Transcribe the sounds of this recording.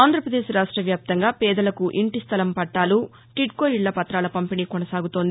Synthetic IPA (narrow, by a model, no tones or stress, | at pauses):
aːnd̪ʱɾɐpɾɐd̪eːʃɾaːʂʈɾɐʋjaːp̚t̪ɐŋɡaːpɛːd̪ɐlɐkuʔiɳʈist̪ʰɐlɐmpɐʈːaːlu | ʈiʈ̚koːjiɭːɐpɐt̪ɾaːlɐpɐmpiniːkɔnɐsaːɡut̪oːnd̪i